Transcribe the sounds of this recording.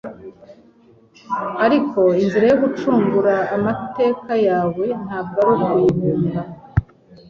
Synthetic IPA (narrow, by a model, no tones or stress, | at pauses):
aɾiko̞imziɾejoɡut͡ʃuːŋɡuɾaːmate̞ːkajaːwe̞n̥haːbɡaɾukuiβuːmba